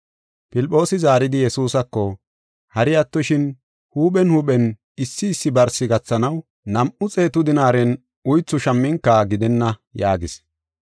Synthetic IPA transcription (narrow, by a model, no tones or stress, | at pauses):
pɪlpʼːo̞ːsɪzaːɾɪd̪ɪjɛsuːsɐkːɔ | hɐɾɪjɐt̪ːɔʃɪn | huːɓɛnhuːɓɛn | ɪsːɪːsːɪbɐɾsɪɡɐt͡sːɐnɐw | nɐmʔʊt͡sʼe̞ːt̪ʊd̪ɪnaːɾɛn | ʊjt͡sːʊʃɐmːɪŋkːaɡɪd̪ɛnːɐjaːɡɪs